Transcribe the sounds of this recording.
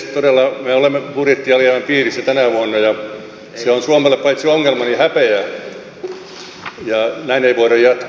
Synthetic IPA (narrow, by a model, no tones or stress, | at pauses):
t̪odelːɑmeolemːepurit̪ːiɑlieʋæmpiːrisːæt̪ænæʋuɑnːɑjɑ | seonsuomelːeppɑit̪sioŋːelmɑnihæpeæ | jɑnæineiʋoiɾɑjjɑt̪k